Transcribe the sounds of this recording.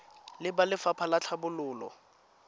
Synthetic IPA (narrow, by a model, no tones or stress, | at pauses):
lɪbalɪfapʰalat͡ɬʰabʊlʊːlɔ̰